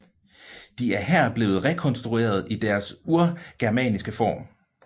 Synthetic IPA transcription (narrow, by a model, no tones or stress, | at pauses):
d̥iæɐɦæɐ̰b̥le̝̰ːð̩ˠʁɛkʰɒ̽nsd̥ʁue̝̰ːɐð̞̩ˠid̥æɐsuɐɡ̥æɐmɛ̰nisɡ̥əfɒ̰ːm